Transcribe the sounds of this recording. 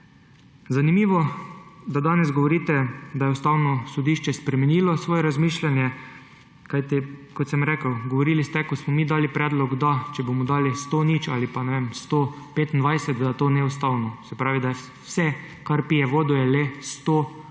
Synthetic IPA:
zanimiːʋɔd̪ad̪aːnɛzɡɔʋɔɾiːt̪ɛd̪ajɛʊst̪aːwnɔsɔd̪iːʃt͡ʃɛspɾɛmɛniːlɔsʋoːjɛɾazmiːʃlʲanjɛ | kajt̪ikɔt̪sɛmɾɛːkəwɡɔʋɔɾiːlist̪ɛkɔsmɔmiːd̪aːlipɾɛːd̪lɔɡd̪at͡ʃɛbomɔd̪aːlist̪onit͡ʃalipanɛʋemst̪o | peːt̪ind̪ʋajsɛt̪d̪at̪oːnɛust̪aːwnɔsɛpɾaːʋid̪a | sɛ | kaɾpijɛʋoːd̪ujɛlɛst̪oː

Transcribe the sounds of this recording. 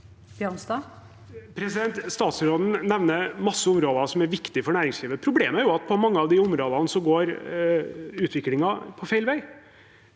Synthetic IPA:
b̥jœnsd̪ɑː | pʰɾɛsɪd̪ɛnt̪st̪ɑːt̪sɾoːd̪n̩nɛʋnəɾmɑsːəʊmɾoːd̪ɑsɔmæɾʋɪkt̪ɪfɔɳæːɾɪŋsliːʋəpʰɾʊbleːmæɾjʊɑt̪pʰɔmɑŋːəɑʋd̪ɪʊmɾoːd̪ɑnəsɔɡoːɾ | ʉːt̪ʰʋɪklɪŋɑpʰɔfæɪlʋæɪ

